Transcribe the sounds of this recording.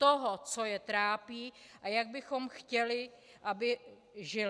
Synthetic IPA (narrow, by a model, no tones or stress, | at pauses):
t̪oɦot͡so̞jɛt̪ɾaːpiːʔajaɡ̚bɪxo̞mxcɛlɪ | ʔabɪ | ʒɪl